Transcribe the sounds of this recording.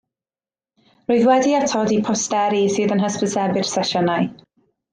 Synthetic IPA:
roːɨðwɛdiatʰɔdipʰɔstɛɾisɨːðənɦəspəsɛbɨr̥sɛʃɔnaɨ

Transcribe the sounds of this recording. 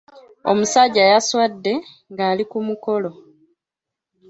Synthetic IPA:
o̞̰musaɟajaswadːe̞ | ŋɡaːlikumuko̞lo̞

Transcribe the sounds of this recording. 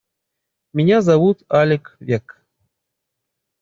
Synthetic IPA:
mʲinʲazavut̪alʲɪkvʲek

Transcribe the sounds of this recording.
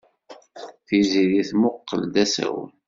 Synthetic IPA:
θiziðiθmʊqːə̰ld̪æsæ̰w

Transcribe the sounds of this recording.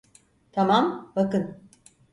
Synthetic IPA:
t̪ʰamambakɯn

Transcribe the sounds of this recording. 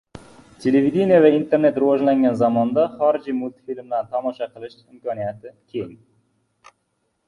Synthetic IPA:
t̪ʲʰe̞levid̪ʲinijavaint̪ʰe̞ɾne̞t̪ɾʊvɒʒlaŋɡʲanzamɒnd̪aχɒɾɪd͡ʒimʊlt̪ʰi̥filmd̪ant̪ʰɒmɒʃɑqʰɨlˠɪʃɪmkʲɒnijat̪ʰɪkʲʰe̞jɪŋ

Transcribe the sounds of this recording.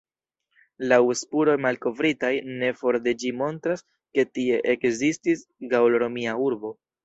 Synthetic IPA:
lawespuɾo̞jmalko̞vɾitajne̞fo̞ɾde̞d͡ʒimo̞ntɾas | ke̞tie̞ʔekzistisɡaoloɾo̞miauɾbo̞

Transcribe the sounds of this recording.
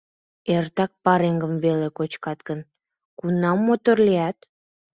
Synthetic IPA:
ert̪ɑk̚pɑɾeŋɡəmvelekot͡ɕkɑt̪ɡən | kunːɑmːot̪orleæt̪

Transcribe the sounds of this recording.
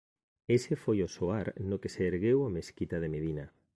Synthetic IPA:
esefojosoaɾnʊkeseːɾɣewameskit̪aðemeðina

